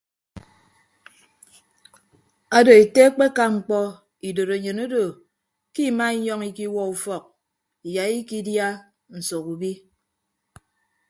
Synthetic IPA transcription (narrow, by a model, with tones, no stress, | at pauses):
a˨do˨e˨te˦k͡pe˦ka˦ŋ͡m̩˨k͡pɔ˦ | i˨do˨ɾe˨ɲɨ˨no˦do˨ | ki˦˨ma˦i˦ɲɔ˦ŋi˦ki˦wɔ˦u˨fɔ˨k̚ | i˨ja˨i˦ki˦dja˦ | n̩˨so˨ku˨bi˦